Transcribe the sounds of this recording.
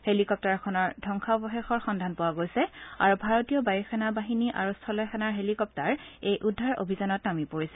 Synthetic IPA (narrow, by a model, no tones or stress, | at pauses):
helikɔp̚taɹkʰɔnɔɹdʱɔŋxʰabɔxexɔɹxɔndʱanpowaɡojsɛa̰ɹubʱaɹotijɔbajɔxʰanabaɦiniʔa̰ɹustʰɔlɔjxʰanaɹɦelikɔp̚taɹejʔudʱːaɹo̰bʱizanɔtnamipoɹisɛ